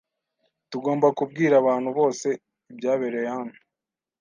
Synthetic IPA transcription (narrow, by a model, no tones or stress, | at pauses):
tuɡo̞ːmbakub̚ɡiːɾaβaːn̥huβo̞ːse̞ | ibɟaːβeɾe̞janu